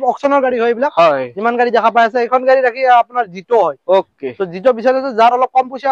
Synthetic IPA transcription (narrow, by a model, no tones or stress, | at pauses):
ɔksɔnɔɹɡaɹiɦojebilakɦɔimanɡaɹidɛkʰapajasɛejkʰɔnɡaɹiɹakʰiapunaɹzitɔɦɔjoketɔzitɔbisɔjlɔsɔzaɾɔlɔp̚kɔmpojsa